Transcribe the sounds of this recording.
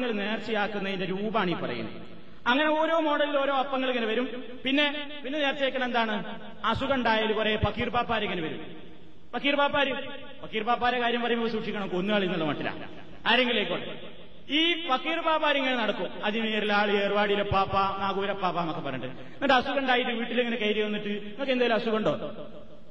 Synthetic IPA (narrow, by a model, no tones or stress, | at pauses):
ŋːɐɭne̞ːrt͡ɕːijaːkːunːɐðindeɾuːbaːɳiːpɐrɐ̰junːu | ɐŋːɐne̞o̞ːɾo̞ːmo̞ːɽɐlːilo̞ːɾo̞ːɐpːɐŋːɐɭiŋːɐneʋɐɾum | pinːe̞ | pinːe̞neːrt͡ɕɐijaːkːɐɳɐend̪aːɳɨ | ɐsuɣɐɳɖaːjaːlupɐrɐjepɐkːiːrpaːpːaːɾiŋːɐneʋɐɾṵm | pɐkːiːrpaːpːaːɾu | pɐkːiːrpaːpːaːɾɐkaːɾjɐmpɐrɐjumipːɐsuːʈʂikʲːɐɳɐmkonːuaːɭiinːɐɭːɐmɐʈːila̰ | aɾe̞ŋɡileːkːoːɽe | iːpɐkːiːrpaːpːaːɾiŋːɐnenɐɽɐkːumɐðimeːrilaːɭɨeːrʋaːɽijilepaːpːanaːɣuːɾɐpːaːpːaːmɐkːepːɐrɐeːɳɖɨðɨ | ɐʈːɐsukɐɳɖaːjiʈːɨʋiːʈːileŋːɐne̞kɐjɾijɐʋɐnːiʈːɨiŋoɭkːend̪ajlumɐsukɐɳɖo̞̰ː